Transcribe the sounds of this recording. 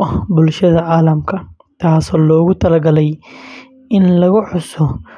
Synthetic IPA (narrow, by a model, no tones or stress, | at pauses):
ɐhbʊlʃɐðɐʕaːlɐmkʰɐ | t̪ʰaːsɔːlɔːɣʊt̪ʰɐlɐɡɐlɛj | ɪnlɐɣʊħʊsɔ